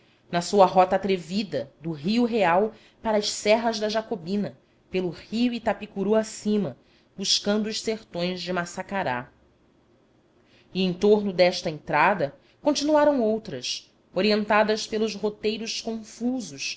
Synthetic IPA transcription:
nɐsuɐɦɔt̪ɐaːt̪ɾevid̪ɐd̪ʊɦiʊɦeaw | paɾɐɐʃsɛɦɐzd̪ɐʒakobĩnɐ | pelʊhiuit̪apikuɾuasĩmɐ | buʃkɐ̃nd̪ʊːʃseɾt̪õj̃zd͡ʒɪmasakaɾa̰ | iẽj̃t̪oɾnʊd̪ɛʃt̪ɐẽnt̪ɾad̪ɐ | kõt͡ʃinuaɾɐ̃w̃owt̪ɾɐs | oɾiẽnt̪ad̪ɐspelˠʊzɦot̪ejɾʊʃkõfuzʊs

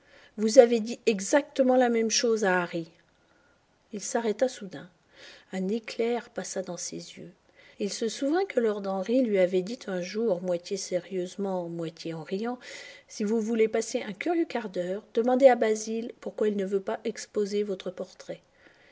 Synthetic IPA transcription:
vuzaved̪iɛɡzak̚t̪əmɑ̃lamɛmʃozaːʁi | ilsaʁɛt̪asud̪ɛ̃ | ɛ̃neklɛʁpasad̪ɑ̃sḛzjø̰ | ilsəsuvɛ̃kəlɔʁd̪ɑ̃ʁilɥiavɛd̪it̪ʰɛ̃ʒuʁmwat̪jeseʁjøzmɑ̃mwat̪jeɑ̃ʁijɑ̃sivuvulepaseʔɛ̃kʲyʁjøkaʁd̪œːʁd̪əmɑ̃d̪eabazilpuʁkwailnəvøpaʔɛkspozevɔt̪χəpɔʁt̪χɛ

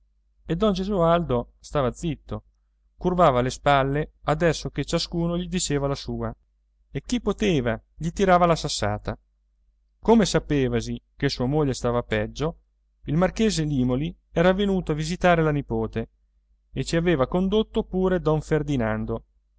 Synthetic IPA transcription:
ed̪ɔnd͡ʒezuald̪o | st̪aːvad̪zit̪ːo | kurvaːvalespalːead̪ɛsːok̟et͡ʃaskuːnoʎid̪it͡ʃeːvalasuːa | ek̟ːipːot̪eːvaʎit̪iɾaːvalasasːa̰ːt̪a | komesapeːvazikesuːamoʎːest̪aːvapɛd͡ʒːo | ilmark̟eːzeliːmoli | ɛːɾavenuːt̪oavizit̪aːɾelanipoːt̪e | et͡ʃiaveːvakond̪ot̪ːopuːɾed̪ɔɱferd̪inand̪o

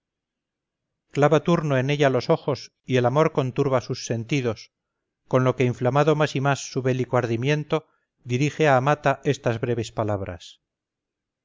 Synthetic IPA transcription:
klaβat̪uɾnoe̞ne̞ʎalo̞so̞xo̞s | ie̞lamo̞ɾko̞nt̪uɾβasusːe̞nt̪iðo̞s | ko̞nlo̞ke̞iɱflamaðo̞masimasːuβe̞likoaɾðimjẽ̞nt̪o̞ | ðiɾixe̞aːmat̪aʔe̞st̪azβɾe̞β̞e̞spalaβɾa̰s

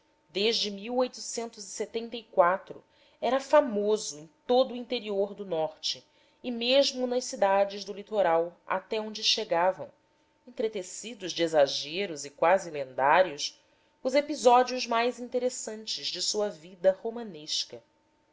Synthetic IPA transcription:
d̪eʒd͡ʒɪmiwojt̪u̥sẽnt̪ʊziset̪ẽnt̪ɐikwat̪ɾʊ̰ | ɛɾɐfamozʊẽj̃t̪od̪ʊĩnt̪eɾioɾd̪ʊnɔɾt͡ʃɪ | ɪmeʒmʊnɐʃsid̪ad͡ʒɪʒd̪ʊlit̪oɾawa̰t̪ɛõnd͡ʒɪʃeɡavɐ̰̃w̃ | ẽñt̪ɾet̪esid̪ʊzd͡ʒezaʒeɾʊzɪkwazɪlẽnd̪aɾjʊs | ʊzepizɔd͡ʒiʊzmajzĩnt̪eɾesɐ̃nt͡ʃɪzd͡ʒɪsuɐvid̪ɐhomɐ̃neʃkɐ

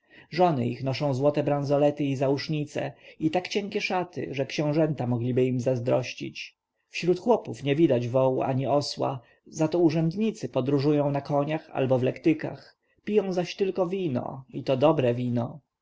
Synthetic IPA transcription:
ʐɔnɘixnɔʂɔ̃w̃zwɔt̪ɛbɾãnzɔlɛt̪ɘizauʂɲit̪sɛ̰it̪akt͡ɕɛŋkʲɛʂat̪ɘ̰ʐɛkɕɛ̃w̃ʐɛnt̪amɔɡlʲibɘimzazd̪ɾɔɕt͡ɕḭt͡ɕ | fɕɾut̪xwɔpufɲɛvʲid̪ad͡ʑvɔwuʔa̰ɲiɔswa̰ | zat̪ɔuʐɛnd̪ɲit̪sɘpɔd̪ɾuʐujɔ̃w̃nakɔɲaxa̰lbɔvlɛkt̪ɘka̰x | pʲijɔ̃w̃zaɕt̪ɘlkɔvʲinɔ̰it̪ɔd̪ɔbɾɛvʲinɔ

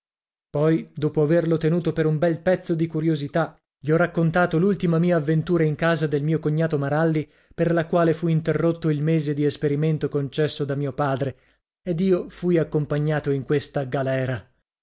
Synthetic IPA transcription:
pɔjd̪oːpoaverlot̪enuːt̪opeɾumbɛlpɛt̪sːod̪ikuɾjozit̪a | ʎiɔrakːont̪aːt̪olult̪imamiːaːvːent̪uːɾaiŋkaːzad̪elmiːokoɲːaːt̪omaɾalːi | perlakwaːlefuint̪erːot̪ːoilmeːzed̪iespeɾiment̪okont͡ʃɛsːod̪amiːopaːd̪ɾe | ed̪iːofujakːompaɲːaːt̪oiŋkwest̪aɡalɛːɾa

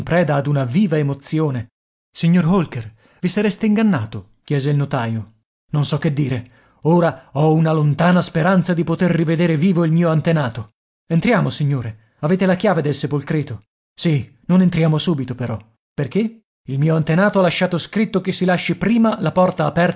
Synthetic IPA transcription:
mpɾɛːd̪aːd̪unaviːvaemot̪sjoːne | siɲːorɦolker | visaɾest̪eiŋɡanːaːt̪o | k̟jɛːzeilnot̪aːjo | nonsɔkːed̪ːiːɾe | oːɾaɔunalont̪aːnaspeɾant̪sad̪ipot̪erːived̪eːɾeviːvoilmiːoant̪enaːt̪o | ent̪ɾjaːmosiɲːoːɾe | aveːt̪elakjaːved̪elsepolkɾeːt̪o | si | nonent̪ɾjaːmosuːbit̪opeɾɔ | perk̟e | ilmiːoant̪enaːt̪oalaʃːaːt̪oskɾit̪ːok̟esːilaʃːipɾiːmalapɔrt̪aːpɛr

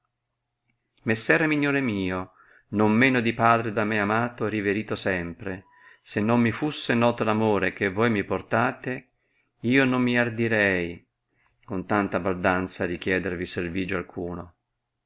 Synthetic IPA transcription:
mesːɛːɾemiɲːoːɾemiːo | nomːeːnod̪ipaːd̪ɾed̪amːeamaːt̪oɛɾiveɾiːt̪osɛmpɾe | senːomːifusːenɔːt̪olamoːɾekevːojmiport̪aːt̪e | iːonomːiard̪iɾɛj | kont̪ant̪abald̪ant̪saɾik̟jɛːd̪erviserviːd͡ʒoalkʰuːno

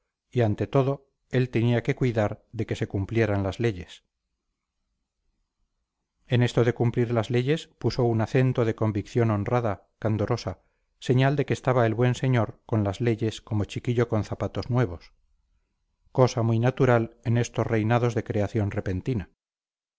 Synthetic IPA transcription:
iant̪e̞t̪o̞ðo̞ | e̞lt̪e̞niake̞kwiðaɾðe̞ke̞se̞kumplje̞ɾanlazle̞ʝe̞s | e̞ne̞st̪oðe̞kumpliɾlazle̞ʝe̞spuso̞unaθe̞nt̪oð̞e̞ko̞mbikθjo̞no̞nraða | kand̪o̞ɾo̞sa | seɲald̪e̞keːst̪aβae̞lβwe̞nse̞ɲo̞ɾko̞nlazle̞ʝe̞sko̞mo̞t͡ʃikiʎo̞ko̞n̟θapat̪o̞znwe̞β̞o̞s | kosamujnat̪uɾale̞ne̞st̪o̞sre̞jnaðo̞zðe̞kɾe̞aθjo̞nre̞pe̞nt̪ina

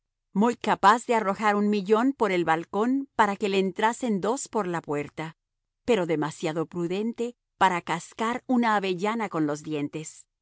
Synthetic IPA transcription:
mujkapazðe̞aro̞xaɾunmiʝo̞npo̞ɾe̞lβalko̞npaɾake̞leːnt̪ɾase̞nd̪o̞spo̞ɾlapwe̞ɾt̪a | pe̞ɾo̞ðe̞masjaðo̞pɾuðe̞nt̪e̞ | paɾakaskaɾunaːβe̞ʝanako̞nlo̞zðje̞nt̪e̞s

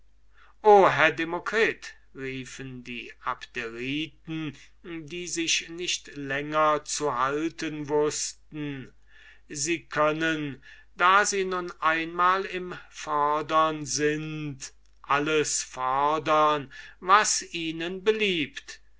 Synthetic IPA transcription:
ʔoːɦɛɐdemokʁ̥iːt | ʁiːfəndḭːa̰ptʰeʁiːtn̩ | diːzɪʃnɪʃtlɛŋɐt͡suɦaltənvʊstn̩ | ziːkʰœnən | d̥aːziːnʊnʔaɪnmaːlɪmfɔɐdɐnzɪnt | ʔaləsfɔɐdɐnvasiːnənbəliːpt

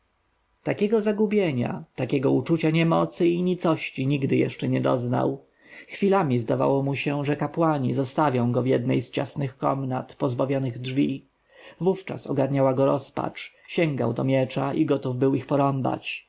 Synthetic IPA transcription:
t̪akʲɛɡɔzaɡubʲjeɲa̰t̪akʲɛɡɔut͡ʂut͡ɕaɲɛmɔt̪sɘiɲit̪sɔɕt͡ɕiɲiɡd̪ɘjɛ̰ʂt͡ʂɛɲɛd̪ɔ̰zna̰w | xfʲilamʲizd̪ava̰wɔmuɕɛʐɛkapwaɲizɔst̪avʲjɔ̃w̃ɡɔvjɛd̪nɛ̰jst͡ɕa̰snɘxkɔ̰mnat̪pɔzbavʲjɔnɘɣdʐvʲi | vuft͡ʂa̰sɔɡaɾɲawaɡɔɾɔspa̰t͡ʂ | ɕɛŋɡa̰wt̪ɔmʲjɛt͡ʂaʔiɡɔt̪uvbɘwixpɔɾɔmba̰t͡ɕ

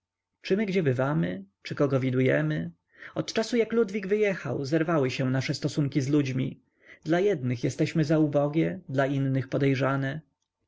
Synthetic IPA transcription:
t͡ʂɘmɘɡd͡ʑɛbɘvamɘ | t͡ʂɘkɔɡɔvʲid̪ujɛmɘ | ɔt̪t͡ʂasujaklud̪vʲiɡvɘjɛxa̰wzɛɾvawɘɕɛ̃naʂɛst̪ɔsuŋkʲizlud͡ʑmʲḭ | d̪̥lajɛd̪nɘxjɛst̪ɛɕmɘzaubɔɡʲjɛd̪lainːɘxpɔd̪ɛjʐanɛ

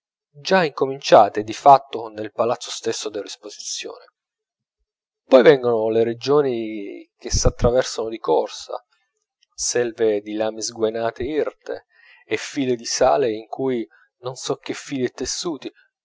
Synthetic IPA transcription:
d͡ʒaiŋkomint͡ʃaːt̪ed̪ifat̪ːonelpalat̪sːost̪esːod̪elːespozit̪sːjo̰ːne | pɔjvɛŋɡonoleɾed͡ʒoːnik̟esːat̪ːɾavɛrsanod̪ikɔrsa̰ | sɛlved̪ilaːmizɡwenaːt̪eirt̪ḛː | fːiːled̪isa̰ːleiŋkuj | nonsɔk̟ːefːiːlɛt̪ːesːuːt̪i

